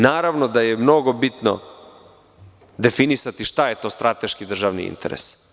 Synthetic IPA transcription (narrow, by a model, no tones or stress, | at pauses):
naːɾaʋnod̪ajemno̞ɡobit̪no̰ | d̪e̞finisat̪iʃt̪aje̞t̪o̞ːst̪ɾʔat̪eʃkid̪r̩ʒaʋnḭḭnt̪eɾḛs